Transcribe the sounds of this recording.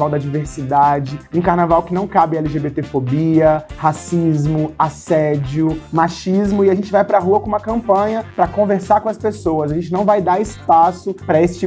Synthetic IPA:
awd̪ɐd͡ʒiveɾsid̪ad͡ʒɪũkaɾnavawkɪnɐ̃w̃kabɪɛliʒebet̪efobiɐhasizmʊasɛd͡ʒiʊmaʃizmʊɪaʒẽnt͡ʃɪvajpɾɐɦuɐkõũmɐkɐ̃mpɐ̃ɲɐpɾɐkõveɾsaɾkõɐspesowɐsaɐʒẽnt͡ʃɪnɐ̃w̃vajd̪aɾɪspasʊpɾɐesɪ̥t͡ʃi

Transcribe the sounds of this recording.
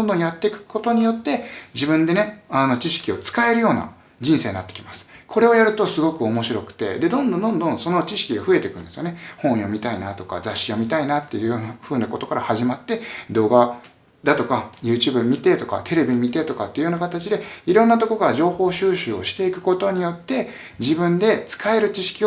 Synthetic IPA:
d̪õnd̪õɰ̃jat̪ːe̞kɯ̥kʰo̞t̪o̞ɲ̟ijo̞t̪ːe̞d͡ʑibɯ̟̃nd̪e̞ne̞ano̞t͡ɕiɕi̥kʲio̞t͡sɨ̥kae̞ɾɯ̟jo̞ːna̰ | d͡ʑĩɰ̃se̞ːɲinat̪ːe̥kʲi̥masɨ̥kʰo̞ɾe̞o̞jaɾɯ̟t̪o̞sɨɡo̞kɯ̟o̞mo̞ɕiɾo̞kɯ̟̥t̪e̞̰d̪e̞d̪õ̞nd̪õnd̪õnd̪õ̞so̞no̞t͡ɕiɕi̥kʲiɡaɸɯ̟e̞t̪e̞kɯ̟̃nd̪esɨjo̞ne̞hõ̞ɰ̃omʲit̪ainat̪o̞ka̰zaɕːio̞mʲit̪ainat̪ːejɯ̟jonaɸɯ̟ːnako̞t̪okaɾahaʑimat̪ːe̞d̪o̞ːɡa | d̪at̪o̞kajɯːt͡ɕɨːbɯ̟mʲit̪e̞t̪o̞ka̰t̪ʰe̞ɾe̞bʲimʲit̪e̞t̪o̞kat̪ːeiɯ̟jonakat̪at͡ɕid̪e̞iɾõ̞nːat̪o̞kokaɾaʑo̞ːho̞ːɕɨːɕɨːo̞̰ɕi̥t̪e̞ikɯ̟̥ko̞t̪o̞ɲ̟ijo̞t̪ːe̞ | d͡ʑibɯ̟̃nd̪e̞t͡sɨ̥kae̞ɾɯ̟t͡ɕiɕi̥kʲi

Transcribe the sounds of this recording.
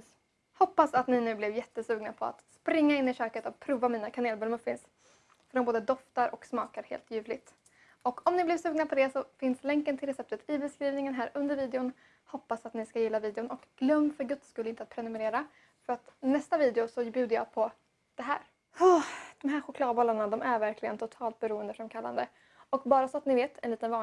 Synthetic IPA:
hɔpːasat̪nɪnʉ̟ːblɪvjɛt̪ːəsʉ̟ːɡnapʰɔa̰t̪spɾɪŋːaɪnːɪʃøːkət̪ɔk̚pʰɾuːvamiːnakʰaneːlbɵlmɵfːɪns | fœɾɖɔmboːd̪əd̪ɔft̪aɾʔɔksmɑːkaɾhḛːlt̪jʉ̟ːvlɪɡt̪ | ɔkʰɔmnɪblɪvsʉ̟ːɡnapʰɔd̪ɛsɔfɪnslɛŋkənt̪ʰɪlɾɛsɛp̚t̪ət̪ʰɪbɛskɾiːvnɪŋənɦæːɾɵnd̪əɾviːd̪ɛʊn | hɔpːasat̪nɪskajɪlːaviːd̪ɪʊnɔkɡ̥lœmːfœɾɡɵt̪skɵləɪnt̪əat̪̚pʰɾɛnɵmɛɾeːɾa | fœɾat̪nɛst̪aviːd̪ɛʊsɔbjʉ̟ːd̪əjɑ̰ːpʰɔ | d̪̥ɛɦæ̰ːɾ | hɔd̪̥ɔmɦæːɾɧʊkʰlɑːd̪bɔlːaɳad̪ɔmæɾvæɾkʰlɪɡə̰nt̪ʰʊt̪ʰɑːlt̪̚bɛɾuːənd̪əfɾamkʰalːa̰nd̪ə | ɔkbɑːɾasɔat̪nɪveːt̪ʰɛ̰nliːt̪ənvɑː

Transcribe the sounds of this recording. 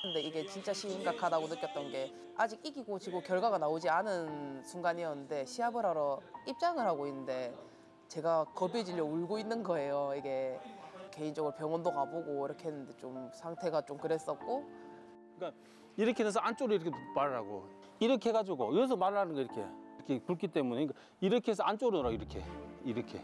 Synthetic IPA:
ɯnde̞iɡe̞t͡ɕint͡ɕ͈aɕʰiŋɡakʰadaɡonɯtk͈ʌt͈ʌnɡe̞ | ad͡ʑiɡiɡiɡot͡ɕiɡokjʌɭɡwaɡanaod͡ʑianɯnsʰuŋɡaɲijʌnːɯnde̞ɕʰiabɯɾaɾʌip̚t͡ɕ͈aŋɯɭɦaɡoinːɯnde̞ | t͡ɕe̞ɡakʌbed͡ʑiʎːʌuɭɡoinːɯnɡʌe̞joiɡe̞ | ke̞ind͡ʑʌɡɯɾopjʌŋwʌndoɡaboɡoiɾʌkʰeɦenːɯnde̞t͡ɕomsʰaŋtʰe̞ɡat͡ɕomkɯɾe̞s͈ʌt̚k͈o | ɯk͈a | iɾʌkʰenens̬ʰʌant͡ɕ͈oɾuiɾʌkʰemaɾɯɭɦaɡo̰ | iɾʌkʰe̞ɡad͡ʑuɡoiʌs̬ʰʌmaɾɯɭhanɯnɡʌiɾʌkʰeɾkʰekuɭk͈ʰit͈e̞muneik͈a | iɾʌkʰees̬ʰʌant͡ɕ͈oɾɯnɯɾaiɾʌkʰe̞̰iɾʌkʰe̞̰

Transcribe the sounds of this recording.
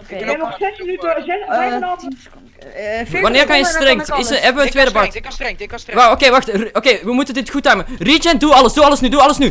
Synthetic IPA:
ɛnɔxsɛsmənytəzɛsɛɔ | ʋɑnɪːrkɑnjəstrɛŋtɪsəɛvəətʋeːdəbɑt | ʋaokeːʋɑxtrokeːʋəmutəndɪtxutaɥmərit͡ʃɛn̚duɑləsduɑləsnyduɑləsny

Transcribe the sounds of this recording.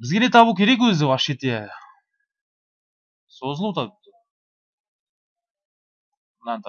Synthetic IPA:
bɪzɡʲe̞net̪ʰɑbukʲʰe̞ɾek̬wɵzɪvɑʃet̪e | sozəlˠut̪ɑ | nɑnt̪

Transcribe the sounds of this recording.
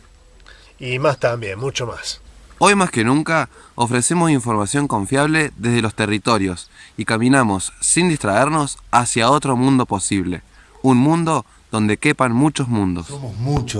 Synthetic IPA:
imast̪ambjenmut͡ʃomaso̞jmaske̞nũŋka | ofɾe̞se̞mo̞siɱfo̞ɾmasjo̞ŋko̞ɱfjaβle̞ðe̞zðelo̞st̪e̞rit̪o̞ɾjo̞sikamĩnamo̞sːind̪ist̪ɾaeɾno̞sasjao̞t̪ɾo̞mũnd̪o̞po̞siβ̞le̞̰ | unmũnd̪o̞ | ðo̞nd̪e̞ke̞panmut͡ʃo̞zmũnd̪o̞smomut͡ʃo

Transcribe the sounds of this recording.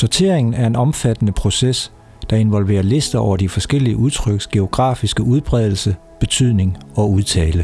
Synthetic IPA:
sɒt͡sʰe̝ɐ̰e̝ŋn̩æɐe̝nɒ̽mfæd̥ənəpʰʁo̝ses | d̥ɑ̈e̝nʋɒ̽lʋe̝̰ːɐle̝sd̥ɐɒʊ̰ɐd̥ifɒ̽sɡ̥el̰iəʔuð̞ˠt͡sʰʁœɡ̥sɡ̥e̝o̝ɡ̥ʁɑ̈ːfisɡ̥əuð̞ˠb̥ʁɛð̞ˠl̩sə | b̥e̝t͡sʰyð̞̰ˠne̝ŋɒ̽uð̞ˠt͡sʰɛːlə

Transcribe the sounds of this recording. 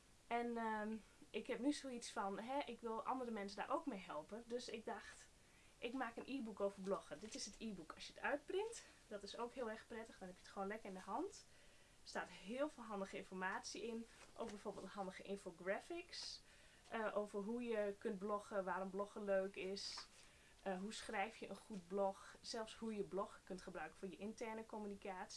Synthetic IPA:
ɛnə | ɪkhɛp̚nysoːitsfɔnɦɛʔɪkʋɪlˠʔɑ̰ndərəmɛnsəda̰rʔoːkmejɦɛlˠpədøsɪk̚dɔxt | ʔɪkmaːkənʔiːbukoːvərblɔxədɪtɪsətʰiːbukɔsjəətʰœɥt̚prɪŋt | d̥ɔtɪsoːkhɪəlˠɛrxprɛtəxdɔnhɛpjətxoːnlɛkərɪndəɦɑnt | staːtɦɪəlˠveːlˠɦɑndəɣəɪnfɔrmaːsiʔɪnʔo̰ːɡ̚bɛjfoːrbɪːlˠtəɦɑndəɣəʔɪnfoɡrɛfɪks | ʔəʔowvərɦujəkønt̚blɔxəʋaːrɔmblɔxəløːkɪs | ɦusxrɛjfjəʔənxut̚blɔxsɛlˠfshujəblɔxkøntχəbrœɥkə̥foːnjəʔɪntɛrnəkomynikaːts

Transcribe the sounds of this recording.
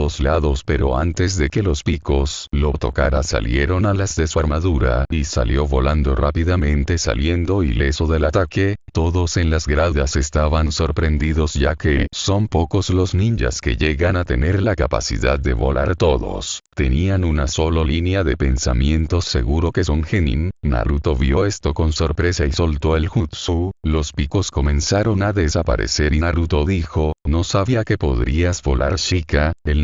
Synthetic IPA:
ðozlaðo̞spe̞ɾo̞ant̪e̞zðe̞ke̞lo̞spiko̞slo̞t̪o̞̰kaɾasa̰lje̞ɾo̞nalazðe̞suaɾmaðuɾa̰isa̰ljo̞βo̞land̪o̞rapiðamẽ̞nt̪e̞sa̰lje̞nd̪o̞ile̞soðe̞lat̪ake̞t̪o̞ðo̞se̞nlazɡɾaðase̞st̪aβanso̞ɾpɾe̞nd̪iðo̞zʝake̞so̞mpo̞ko̞slo̞znĩɲd͡ʒa̰skḛʝe̞ɣanat̪e̞ne̞ɾlakapa̰sḭða̰ðːe̞βo̞̰lʔaɾt̪o̞ðo̞̰st̪e̞nianunaso̞lolinjaðe̞pe̞nsa̰mje̞nt̪o̞sːe̞̰ɣuɾo̞ke̞so̞ŋxenḭnna̰ɾut̪o̞βjo̞est̪o̞ko̞nso̞ɾpɾe̞saiso̞lt̪o̞elxut̪sulo̞spiko̞sko̞mẽ̞nsaɾo̞naðesapa̰ɾe̞̰se̞ɾinaɾut̪o̞ðixo̞no̞saβiake̞po̞ðɾiazbo̞lʔa̰ɾʃikael

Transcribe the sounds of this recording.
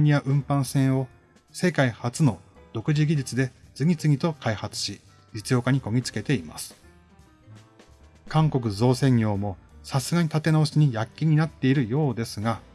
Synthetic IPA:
ɲ̟iaʔɯ̟̃mpãɰ̃sẽ̞ɰ̃o̞ | se̞kaihat͡sɨno̞d̪o̞kɯ̟ʑiɡʲid͡ʑɨt͡sɨd̪e̞d͡zɨɡʲit͡sɨɡʲit̪o̞kaihat͡sɨ̥ɕi | d͡ʑit͡sɨjo̞ːkaɲ̟iko̞ɡ̟ʲit͡sɨ̥ke̞t̪e̞ima̰sɨ̥ | kãŋko̞k̬ɯ̟zo̞ːsẽ̞ŋjo̞ːmo̞sasɨɡaɲ̟it̪at̪e̞naoɕiɲ̟ijakʲːiɲ̟inat̪ːe̞iɾɯ̟jo̞ːd̪e̞sɨɡa

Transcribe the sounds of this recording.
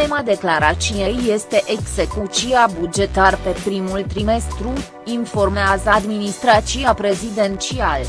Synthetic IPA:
emad̪e̞klaɾat͡ʃijejːe̞st̪e̞ʔeɡze̞kut͡ʃijabud͡ʒe̞t̪arpe̞pɾimult̪ɾime̞st̪ɾu | info̞rmeazəd̪minist̪ɾat̪t͡ʃiapɾe̞zid̪e̞nt͡ʃial

